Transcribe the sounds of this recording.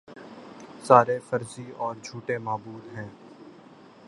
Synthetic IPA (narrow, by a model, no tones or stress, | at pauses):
saːɾefɐɾziɔːɾd͡ʒʱuːʈemaːbuːd̪ɦɛ̃ː